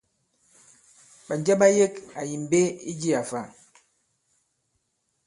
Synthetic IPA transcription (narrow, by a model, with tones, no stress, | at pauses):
ɓa˨n˨d͡ʒɛ˦ɓa˦je˦ka˨ji˨m˨be˦i˦d͡ʒi˦a˨fa˦˨